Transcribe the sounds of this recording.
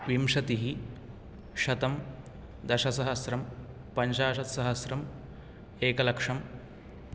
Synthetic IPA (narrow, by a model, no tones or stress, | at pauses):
ʋimʂɐt̪iɦi | ʃɐt̪ɐm | d̪ɐʃɐsɐɦɐsɾɐm | pɐɲʃaːʃɐt̪sɐɦɐsɾɐm | eːkɐlɐkʂɐm